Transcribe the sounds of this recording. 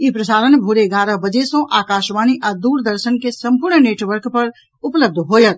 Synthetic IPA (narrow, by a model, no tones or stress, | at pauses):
ipɾəsaːɾənbʱuɾeɡaːɾəbəd͡ʒesõʔaːkaːʃʋaːniʔaːd̪uːɾd̪əɾʃənkesɐ̃mpʊɾɳneːʈʋəɾkpɐɾ | ʊpləb̚d̪ʱɦoːjət̪̚